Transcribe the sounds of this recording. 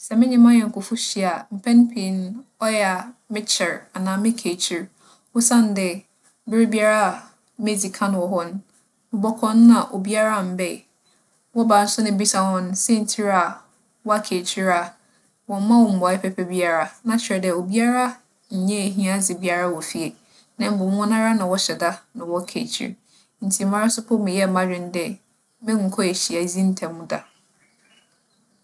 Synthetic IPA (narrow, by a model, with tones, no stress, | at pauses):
sɛ˨mɪ̃˦ɲɪ̃˦mã˦ɲɛ˨ŋ̩˨kʰʊ˨fʊ˦ɕi˨a˨m̩˨pʰɛ̃˦n˦pʰĩ˨n˦ɔ˦jɛ˦˨a˨mɪ̃˦t͡ɕʰɪ˨ɾa˨nãː˨mɪ̃˦kʰe˨t͡ɕʰi˨ɾ | wʊ˦sã˦n˨dɪ˨ | bɪ˦ɾɪ˦bi˦a˦ɾa˦˨ | me˦˨d͡zi˨kʰã˦n˨wɔ˨ɦɔ˦n˦ | mɪ̃˨bɔ˦kʰɔ̃˦n˦ã˨ʔo˨bi˦a˦ɾa˦˨m̩˨bɛ˦˨ | wɔ˦ba˨n̩˦sʊ˦nʊ̃˦bi˦sa˨hɔ̃˨n˦sɛ˦˨n̩˨tʰi˦ɾa˨ | wɔ˦a˦kʰe˨t͡ɕʰi˦ɾa˨ | wɔ̃˨m̩˦mã˦wɔ˨m̩˨ba˨˦ɛ˦pʰɛ˦pʰɛ˦bi˦a˦ɾa˦nã˨t͡ɕʰɪ˨ɾɛ˨dɛ˨o˨bi˦a˦ɾa˦ | ɲ̩˨ɲɛ̃˦e˨ɦĩ˦ã˦sɪ˨bi˦a˦˨ɾa˦wɔ˨fi˦e˨ | nã˨m̩˦bʊ˨m˦ʊ̃˦nã˦ɾa˦nã˨wɔ˦ɕɛ˨da˦nã˨wɔ˦kʰḛ˨t͡ɕʰḭ˨ɾ | n̩˨tʰi˨mã˦ɾa˦sʊ˦pʰʊ˦mɪ̃˨jɛ˦˨mã˦d͡ʑᶣɪ̃˦n˦dɛ˦ | mɪ̃˦ŋ̩˨kʰɔ˦e˨ɕi˨a˨zĩ˦n̩˦tʰɛ̃˨mːũ˦da˨